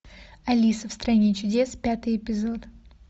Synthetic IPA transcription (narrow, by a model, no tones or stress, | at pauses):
ɐlʲisəfst̪ɾɐnʲet͡ɕʊdʲe̞spʲat̪ɨjɪpʲɪzo̞t̪